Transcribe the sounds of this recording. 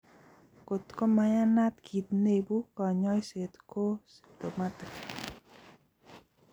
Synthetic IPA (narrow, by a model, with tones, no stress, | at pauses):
ko˨t̪kɔ˦ma˨ja˦na˦t̪kʰi˨t̪ne˦˨bu˦kɔ˨ɲɔ˦jse˨t̪ko˦se̥˨t̪o˨ma˦t̪ɪ˨k